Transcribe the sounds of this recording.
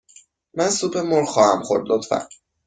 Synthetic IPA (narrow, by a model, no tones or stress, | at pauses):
mænsuːbemoɾxɒːhæmxoɾd̪lot̪fæ̰n